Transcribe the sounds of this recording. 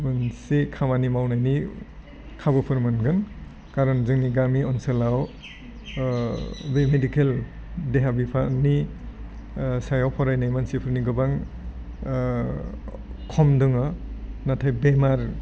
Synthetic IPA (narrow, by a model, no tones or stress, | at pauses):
bɯnsikʰamanimawnajni | kʰabɯpʰɯɾmɯnɡɯn | kaɾɔnzɯŋniɡamiɔnselaw | bemedikel | deɦabipʰani | sajɔwpʰɔɾajnajmansipʰɯɾniɡɯbaŋ | kʰɔmdɯŋɔnatʰajbemaɾ